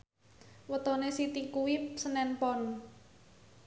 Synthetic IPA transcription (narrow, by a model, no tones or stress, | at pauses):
wət̪onesit̪ikuwip̚sənɛnpɔn